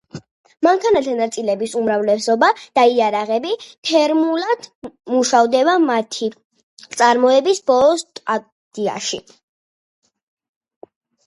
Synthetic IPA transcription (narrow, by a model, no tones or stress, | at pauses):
maŋkʰanat̪ʰanat̪sʼilɛbisumɾavlɛsɔbad̪̥aiaɾaʁɛbit̪ʰɛɾmulˠad̪̥muʃavd̪ɛbamat̪ʰi | t̪sʼaɾmɔɛbisbɔlˠɔst̪ʼa | d̪̥ia̰ʃi